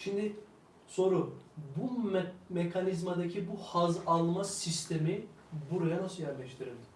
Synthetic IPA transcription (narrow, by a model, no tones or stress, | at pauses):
ʃimd̪i | so̞ɾubumekʰanizmad̪acʰibuhazalˠmasist̪ʰemi | buɾajanasɯljæɾlʲɛʃt̪ʰiɾind̪